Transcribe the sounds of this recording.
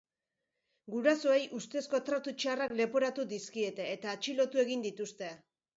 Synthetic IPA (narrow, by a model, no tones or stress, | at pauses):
ɡuɾaso̞ejʔust̪e̞sko̞t̪ɾat̪ut͡ʃarakle̞po̞ɾat̪ud̪iskie̞t̪e̞ːt̪aːt͡ʃilo̞t̪ue̞ɣ̞ind̪it̪ust̪e̞